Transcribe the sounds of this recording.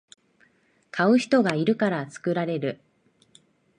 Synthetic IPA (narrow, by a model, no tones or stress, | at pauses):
kʰaɯ̟çi̥t̪o̞ɡaiɾɯ̟kaɾat͡sɨ̥kɯ̟ɾaɾe̞ɾɯ̟